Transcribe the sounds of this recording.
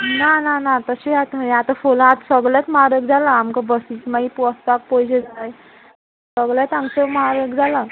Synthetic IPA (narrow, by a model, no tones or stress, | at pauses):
nananat̪əɕejat̪əjat̪əfolãat̪səɡljat̪mɾəkd͡zʱalaːmkabəsit͡smaɡipɔst̪ak̚pɔjd͡ʑed͡zaaj | səɡljat̪aŋsəmɦɾəkd͡zʱala